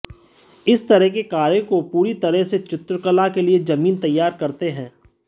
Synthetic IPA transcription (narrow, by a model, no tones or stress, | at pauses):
ɪst̪ɐɾɛɦkekaːɾekopuːɾit̪ɐɾəɦset͡ʃɪt̪ɾəkəlakelied͡ʒɐmiːnt̪ɐjːaːɾkɐɾt̪eɦɛ̃ː